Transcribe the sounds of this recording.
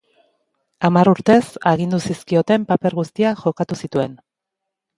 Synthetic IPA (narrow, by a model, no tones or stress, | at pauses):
amaɾuɾt̪e̞saɣ̞ind̪usiskio̞t̪e̞mpape̞ɾɣust̪iaʝo̞kat̪usit̪ue̞n